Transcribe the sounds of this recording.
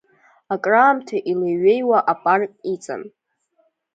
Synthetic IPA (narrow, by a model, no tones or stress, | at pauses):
akʼraːmtʰaʔileɥejwaʔapʼarkʼit͡sʼa̰n